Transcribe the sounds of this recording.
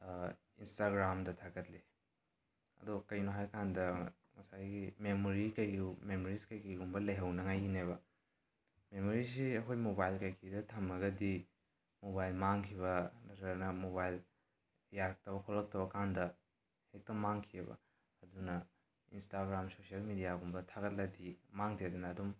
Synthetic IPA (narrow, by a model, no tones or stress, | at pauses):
instaɡɾamdɐtʰaɡɐtli | ɐ̰dukɐjnoɦajkandɐ | mɐsajɡimemoɾikɐjmemoɾiskɐjkɐumbɐlɐjɦɐwnɐŋajɡineβɐ | memoɾis̬iɐkʰojmobajlkajkʰidɐtʰɐmɐɡɐdi | mobajlmaŋkʰiβɐnɐɐɾnɐmobajl | jaɾɐk̚tɐbɐkʰolːɐk̚tɐbɐkandɐ | hek̚tɐmaŋkʰiebɐ̰ | ɐdunɐ | instaɡɾamsosiɐlmidijaɡumbɐtʰaɡɐt̚lɐdimaŋdedɐnɐːdum